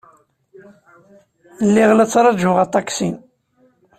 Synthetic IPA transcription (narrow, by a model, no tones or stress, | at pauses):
lːiʁlæt͡sːɾˤɑʒʊʁat̪ˤːɑksin